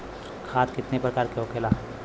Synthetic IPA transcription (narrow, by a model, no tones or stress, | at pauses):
kʰaːt̪kɪt̪nepɾɐkaːɾkeokʰeːlaː